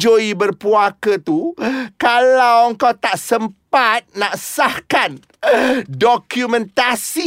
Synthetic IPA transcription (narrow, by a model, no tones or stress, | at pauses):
d͡ʒoibərpuakət̪ukalawəŋkawt̪aʔsəmpat̪̚nãʔsahkan | dokjumɛ̃nt̪asi